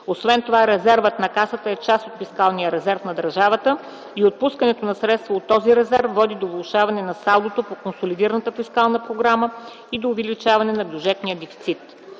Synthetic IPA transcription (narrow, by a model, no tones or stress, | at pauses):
osvɛnt̪ovaɾɛzɛɾvət̪nɐkasət̪əɛt͡ʃast̪ot̪fiskalˠnijəɾɛzɛɾfnɐd̪əɾʒavət̪ə | iot̪̚puskɐnɛt̪onɐsɾɛt̪st̪voot̪ːɔziɾɛzɛɾfvːɔd̪id̪ovlˠʊʃavɐnɛnɐsalˠd̪ot̪opokonsolid̪iɾənət̪əfiskalˠnəpɾoɡɾamə | id̪oːvɛlit͡ʃavɐnɛnɐbjud͡ʒɛt̪nijəd̪ɛfi̥t̪sit̪